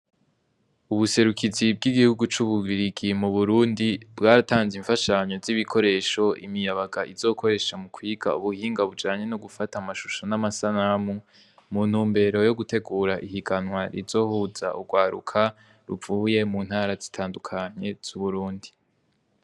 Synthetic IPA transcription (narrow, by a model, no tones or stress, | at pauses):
uβuse̞ɾukʰizib̚ɡiɡihuɡut͡ʃuβuβiɾiɡimuβuɾuːndibɡaːɾataːnziɱfaʃaɲo̞ziβikʰo̞ɾe̞ʃo̞ʔḭmijaβaɡaʔiz̥o̞ːkʰo̞ɾe̞ːʃamukʰwiːɡa̰uβuhiːŋɡaβud͡ʒaːɲe̞noɡufatamaʃuʃonamasanamu | muːn̥huːmbe̞ɾo̞jo̞ɡute̞ɡuɾaʔihiɡanwaɾizo̞ːhuza̰ʔuɡwaːɾṵkʰa | ɾuvuːje̞muːn̥haːɾazi̥tʰaːndukʰaɲe̞z̥uβuɾuːndi